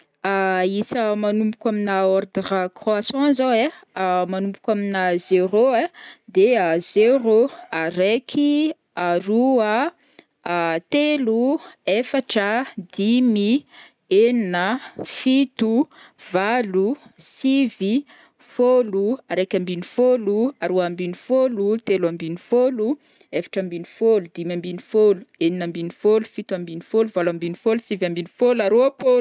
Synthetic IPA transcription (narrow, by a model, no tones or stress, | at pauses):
aisəmanumpu̥kʲaminaoɾd̪iɾakχoasãnzae | amanumbu̥kʲaminazeɾoed̪eəzeɾoaɾekʲʰi | aɾuə | t̪eluefaʈ͡ʂəd̪imi | eninəfit̪u | v̥alusivi | foluaɾekʲəmbinifoluaɾoambinifolut̪elambinifolu | efḁʈ͡ʂəmbinifolud̪imambinifolu̥eninəmbinifolufit̪uambinifoluvalambinifolusivambinifolaɾoapolu